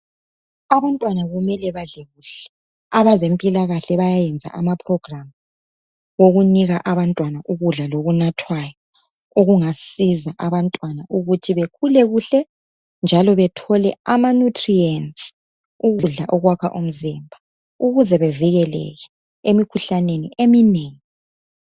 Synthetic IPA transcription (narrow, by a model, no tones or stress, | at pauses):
aβantʼwanaɣumɛlɛβaɮɛɣuɬɛ̥ | aβazempʼilaɣaɬɛβajajɛnd͡zʱa̰ʔamapʰʼrɔɡ̥ram | ɣoɣuniɣaʔaβantʼwanaʔuɣuɮaloɣunatʰwajɔ | uɣuŋasizaʔaβantʼwanaʔuɣutʰiβekʰulɛɣuɬɛ | nd͡ʒʱalɔβɛtʰɔlɛ̰amanutʰʼriɛnsʼi̥ | uɣuɮaʔɔɣwakʰa̰ʔum̩zimbʱa | uɣuzɛβɛviɣɛlɛ̰ɣɛ | emikʰuɬaneniʔemineːŋi